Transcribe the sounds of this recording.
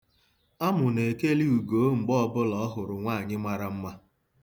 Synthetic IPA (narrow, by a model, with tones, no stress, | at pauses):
a˦mʊ˨ne˨ke˦li˦u˨ɡo˨˦ŋ͡m̩˨ɡ͡bɔ˦˨bʊ˦lɔ˦ɔ˦ɦʊ˨ɾʊ˨ŋʷaː˦˨ɲɪ˦ma˨ɾa˦m̩˦ma˦